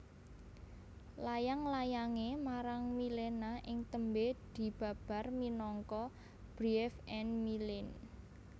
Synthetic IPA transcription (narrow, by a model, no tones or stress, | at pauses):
lajaŋlajaŋemaɾaŋmilenaʔɪŋt̪əmbed̪̥i̤b̥a̤b̥a̤rminɔŋkɔ | b̥ɾiɛfɛnmilɪn